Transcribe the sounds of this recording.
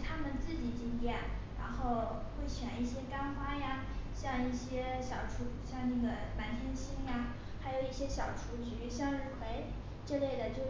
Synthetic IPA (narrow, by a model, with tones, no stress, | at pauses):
t̪ʰa˥mə˨nt͡sɹ̩˥˩t͡ɕi˨˩t͡ɕi˥ŋt̪jɛ˨˩˦nɻa̰˧˥nxo˥˩˧ʊ | xwe˥˩ɪt͡ɕʰɥɛ˨˩ni˥˩ɕjɛ˥ka˥nxwa˥ja˧ | ɕjɑ˥˧ŋi˥˩ɕjɛ˥ɕjɑ˨˩ʊʈ͡ʂʰu˧˥ɕjɑ˥˧ŋnɤ˥˩ɡə˩na˧˥nt̪ʰjɛ˥nɕi˥˩nja˧ | xa˧˥ɪjo˨˩ʊi˥˩ɕjɛ˥ɕjɑ˨˩ʊʈ͡ʂʰu˧˥t͡ɕy˧˥ɕjɑ˥˧ŋɻ̩˥˩xwe˧˥ɪ | ʈ͡ʂɤ˥˧le˥˩ɪd̪ə˩t͡ɕjo˥˧ʊ